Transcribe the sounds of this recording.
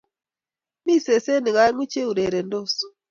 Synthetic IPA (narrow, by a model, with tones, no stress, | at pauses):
mi˦˨se˨se˦ni˨ɣa˨˦ŋwi˦t͡ʃe˦u˨ɾe˨ɾe˨ndo˦so̥˨